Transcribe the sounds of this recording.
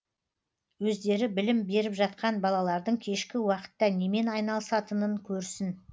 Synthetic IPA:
wɵzd̪e̞ɾɪbɪlɪmbe̞ɾɪpʒɑt̪qɑnbɑlˠɑlˠɑɾd̪əɴkʲʰe̞ʃkʲɪwɑqə̥t̪ːɑne̞me̞nɑjnɑlˠəsɑt̪ənəɴkʲʰɵɾsɪn

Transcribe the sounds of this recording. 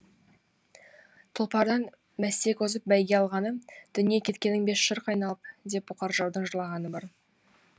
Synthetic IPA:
t̪ʰʊlˠpɑɾd̪ɑn | mæst̪e̞kʲʰozəp̚bæjɡʲe̞ɑlˠʁɑnəd̪̥ʏnije̞kʲʰe̞t̪kʲe̞nːɪŋbe̞sʃəɾqɑjnɑlˠəp̚d̪e̞p̚bʊqɑɾʒɑwd̪əɴʒəɾlˠɑʁɑnəbɑɾ

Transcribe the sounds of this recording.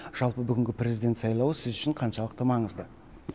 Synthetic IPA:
ʒ̥ɑlˠpəbʏɡʲɪŋɡʲɪprʲe̞zijd̪et̪sɑjlˠɑwəsɪzʏʃɪɴqʰɑnʃɑlˠəqt̪əmɑɴəzd̪ə

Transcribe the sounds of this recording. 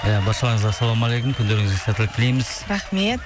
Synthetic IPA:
jabɑɾʃɑlˠɑɾɴəzɑsːɑlˠomɑlˠejkʊmkʲʰʏnd̪e̞ɾɪŋɪzɡʲesæt̪ɪlɪk̚t̪ʰɪlejmɪz̥ɾaχmet̪

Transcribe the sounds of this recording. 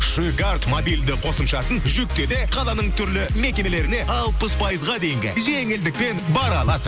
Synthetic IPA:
ʃujɡart̪mobijld̪ɪqʰo̞səmʃɑsənʒʏk̚t̪e̞d̪e̞qʰɑlˠɑnəɴt̪ʰʏɾlɪme̞kʲe̞me̞le̞ɾɪne̞ʔɑlˠpəspʰɑjəzʁɑd̪e̞jɪŋɡʲɪ̰ʒe̞ŋɪld̪ɪk̚pe̞nbɑɾɑlˠɑsə

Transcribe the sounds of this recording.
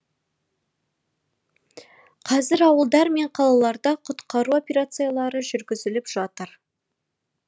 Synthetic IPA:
qʰɑzɪɾɑwəlˠd̪ɑɾme̞ɴqʰɑlˠɑlˠɑɾd̪ɑqʰʊt̪qɑɾuo̞pʲeɾat̪sɨjalˠɑɾəʒʏɾɡʲɪzɪlɪpʒ̥ɑt̪əɾ

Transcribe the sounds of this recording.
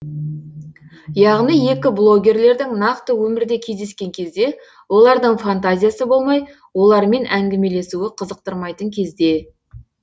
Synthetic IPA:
jɑʁnijje̞kʲɪblˠo̞ɡʲe̞rle̞ɾd̪ɪŋnɑqt̪əwɵmɪɾd̪e̞kʲʰe̞zd̪e̞skʲe̞ŋkʲʰe̞zd̪e̞ | wo̞lˠɑɾd̪əɴfant̪azʲijasəbo̞lˠmɑj | wo̞lˠɑɾme̞nʔæŋɡʲɪme̞le̞suɪqʰəzəq̚t̪əɾmɑjt̪əŋkʲʰe̞zd̪e̞

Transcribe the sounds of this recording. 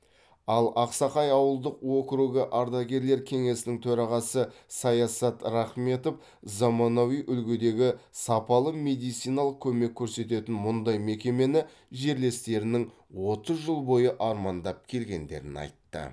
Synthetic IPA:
ɑlˠɑqsɑqɑjɑwəlˠd̪əqwokɾuɡəʔɑɾd̪ɑɡʲe̞ɾle̞ɾkʲʰe̞ŋe̞sɪnɪŋt̪ʰɵɾɑʁɑsəsɑjɑsɑt̪ɾɑχme̞t̪o̞f | zamonowijʔʏlɡʲed̪e̞ɡʲɪsɑpɑlˠəme̞d̪ijt̪sijnɑlˠəq̚kʲʰɵme̞kʲʰːɵɾse̞t̪e̞t̪ɪnmʊnd̪ɑjme̞kʲe̞me̞nɪ | ʒe̞ɾle̞st̪e̞ɾɪnɪŋ | wo̞t̪əzʒəlˠbo̞jəʔɑɾmɑnd̪ɑp̚kʲʰe̞lɡʲe̞nd̪e̞̰ɾɪ̰nɑ̰jt̪ːə̰

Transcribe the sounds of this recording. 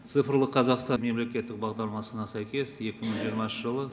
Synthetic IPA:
tt̪sɨjfəɾlˠəqʰɑzɑqst̪ɑme̞mle̞kʲe̞t̪ːɪk̚bɑʁd̪ɑɾˠmɑsənɑsæjkʲe̞sje̞kʲɪməɴʒijəɾmɑnʃəʒəlˠə

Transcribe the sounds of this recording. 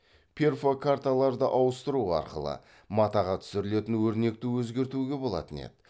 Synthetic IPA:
pʲʰe̞rfokʰaɾt̪alˠɑɾd̪əʔɑwəst̪əɾuɑ̰ɾqə̰lˠə̰ | mɑt̪ɑʁɑt̪ʰʏ̥sɪɾɪle̞t̪ɪnwɵɾne̞k̚t̪ɪwɵzɡʲe̞ɾt̪uɡʲe̞bo̞lˠɑ̰t̪ənḛd̪ɪ

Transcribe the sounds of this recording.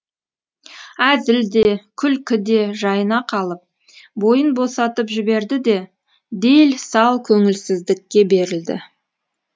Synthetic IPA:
æzɪld̪e̞kʲʰʏlkʲʰɪd̪e̞ʒɑjənɑqʰɑlˠəp̚ | bo̞jənbo̞sɑt̪əpʒɪbe̞ɾd̪ɪd̪e̞ | d̪e̞lsɑlˠkʲʰɵŋɪlsɪzd̪ɪkʲːe̞be̞ɾɪld̪ɪ̰

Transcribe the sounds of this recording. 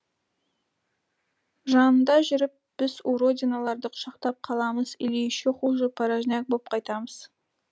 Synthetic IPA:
ʒɑnənd̪ɑʒʏɾɪp̚b̥ɪzuɾo̞d̪ʲinalˠɑɾd̪əqʰʊ̥ʃɑqt̪ɑp̚qʰɑlˠɑməzɪ̰lejʃɪqulˠʒəpʰɑɾaʒnæk̚bop̚qʰɑjt̪ɑməz̥

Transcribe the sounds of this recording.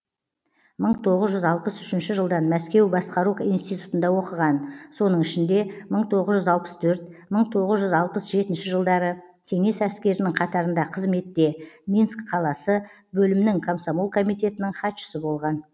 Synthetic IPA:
məɴt̪ʰo̞ʁəzʒʏzɑlˠpəsʏʃɪnʃɪʒəlˠd̪ɑnmæskʲe̞wbɑsqɑɾuijnst̪ijt̪u̥t̪ənd̪ɑwo̞qəʁɑnso̞nəɴɪʃɪnd̪e̞məɴt̪ʰo̞ʁəzʒʏzɑlˠpə̥st̪ʰɵɾt̪məɴt̪ʰo̞ʁəzʒʏzɑlˠpəsʒe̞t̪ɪnʃɪʒəlˠd̪ɑɾə | kʲʰe̞ŋe̞sæskʲe̞ɾɪnɪŋqʰɑt̪ɑɾənd̪ɑqʰəzme̞t̪ːe̞mʲinskqʰɑlˠɑsə | bɵlɪmɪnɪŋkʰomsomolˠkʰo̞mijt̪e̞t̪ɪnɪɴχɑt̪ʃə̥səbo̞lˠʁɑn

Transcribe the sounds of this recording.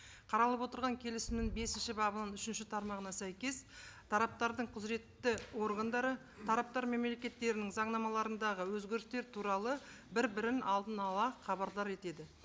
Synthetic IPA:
qʰɑɾɑlˠəpwo̞t̪əɾʁɑŋkʲʰe̞lɪsɪmnɪŋbe̞sɪnʃɪbɑbənənʏʃɪnʃɪt̪ʰɑɾmɑʁənɑsæjkʲe̞st̪ʰɑɾɑp̚t̪ɑɾd̪əɴqʰʊzɾe̞t̪ːɪwo̞ɾɡɑnd̪ɑɾə | t̪ʰɑɾɑp̚t̪ɑɾme̞mle̞kʲe̞t̪ːe̞ɾɪnɪŋzɑɴnɑmɑlˠɑɾənd̪ɑʁəwɵzɡʲe̞ɾɪst̪e̞ɾt̪ʰuɾɑlˠə | bɪɾbɪɾɪnɑlˠd̪ənɑlˠɑχɑbɑɾd̪ˠɑɾe̞t̪e̞d̪ɪ

